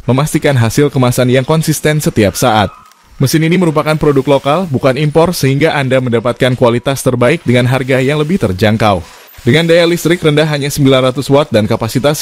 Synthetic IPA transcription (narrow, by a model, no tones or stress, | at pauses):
məmast̪ikanɦasɪlkəmasanjaŋkɔnsist̪ɛnsət̪iapsaʔat̪̚ | məsɪniniməɾupakanpɾodʊklokalbukanimpɔrsəɦiŋɡaʔandaməndapat̪̚kankuwalit̪ast̪ərbaɪk̚dəŋanɦarɡajaŋləbɪht̪ərd͡ʒaŋkaw | dəŋandajalist̪ɾɪkrəndaɦːaɲasəmbilanrat̪uswat̪̚dankapasit̪as